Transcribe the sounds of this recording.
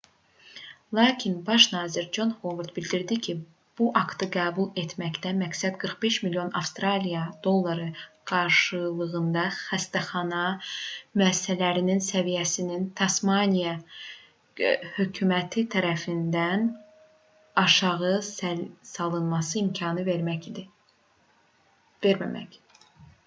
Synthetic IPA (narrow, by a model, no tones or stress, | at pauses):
lˠɑːcʰinbɑʃnɑːziɾd͡ʒo̞nhovuɾd̪bild̪iɾd̪icʰi | b̥uʔɑkt̪ɯɡæːbulˠe̞t̪ʰmæçt̪æmæksæd̪ɡɯɾχbe̞ʃmiljo̞nʔɑfst̪ɾɑlijɑd̪̥o̞lˠːɑɾɯɡ̥ɑɾʃɯlˠɯɣɯnd̪ɑxæst̪æχɑnɑmyæsisælæɾininsævijæsinint̪ʰɑsmɑnijɑ | hø̞cʰymæt̪ʰit̪ʰæɾæfind̪æn | ɑʃɑʁɯ | sɑlˠɯnmɑsɯimcʰɑnɯd̪ | veɾmæmæ̰c